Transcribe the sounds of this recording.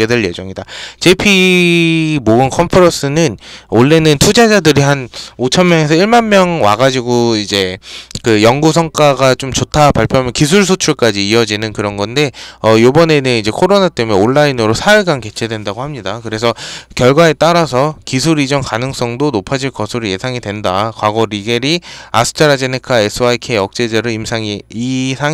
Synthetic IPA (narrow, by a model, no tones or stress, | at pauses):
edweɭje̞d͡ʑʌŋidat͡ɕe̞pʰi | moɡɯnkʰʌmpʰɯɾʌs͈ɯnɯnoɭːe̞nɯntʰud͡ʑad͡ʑadɯɾiɦanot͡ɕʰʌnmjʌŋe̞s̬ʰʌiɭmanmjʌŋwa̰ɡad͡ʑiɡoid͡ʑe̞kɯjʌŋɡusʰʌŋk͈aɡat͡ɕomt͡ɕotʰapaɭpʰjoɦamjʌnkis̬ʰuɭs̬ʰot͡ɕʰuɭk͈ad͡ʑiːʌd͡ʑinɯnkɯɾʌnɡʌnde̞ʌjobʌne̞nɯnid͡ʑe̞kʰoɾonat͈e̞mune̞oɭːainɯɾosʰaɯɭɡanke̞t͡ɕʰe̞dwendaɡohamɲidakɯɾe̞s̬ʰʌkjʌɭɡwae̞t͈aɾasʰʌkisʰuɾid͡ʑʌŋkanɯŋs͈ʌŋdonopʰad͡ʑiɭkʌsʰuɾije̞sʰaŋidwe̞ndakwaɡoɾiɡe̞ɾia̰sʰɯ̥tʰaɾad͡ʑenekʰaesʰɯakʰeʌk̚t͡ɕ͈e̞d͡ʑeɾɯimsʰaŋiisʰa